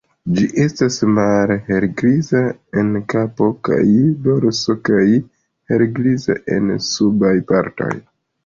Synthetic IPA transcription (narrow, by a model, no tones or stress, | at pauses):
d͡ʒiʔe̞stasmalhe̞ɾɡɾizae̞nkapo̞ka̰jdo̞ɾso̞kaj | he̞ɾɡɾiza̰ʔe̞̰nsubajpaɾto̞̰j